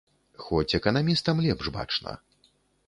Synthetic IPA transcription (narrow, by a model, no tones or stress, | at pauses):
xɔt͡sʲɛkɐnamʲist̪ɐmlʲɛpʐba̰t͡ʂnɐ̰